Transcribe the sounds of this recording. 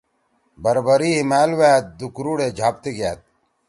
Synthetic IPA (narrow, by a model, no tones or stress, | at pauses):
bɐɾbəɾiːɦimaːlweːt̪̚d̪ukɾuːɽed͡ʑʱaːp̚t̪eɡa̰ːt̪̚